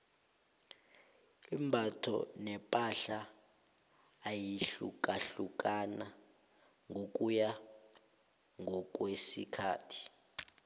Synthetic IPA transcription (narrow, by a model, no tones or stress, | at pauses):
imbʱatʰɔ̰nɛpʼaɬa | jiɬṵk̬ʼaɬuk̬ʼana | ŋʱok̬ʼuja | ŋʱɔk̬ʼwesḭkʰa̰ːtʰi̥